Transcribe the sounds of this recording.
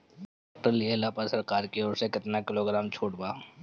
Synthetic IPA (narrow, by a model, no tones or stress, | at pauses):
ʈəlelaːpasɐɾkaːɾkioːɾsekɪt̪nakɪloːɡɾaːmt͡ʃʰuːʈbaː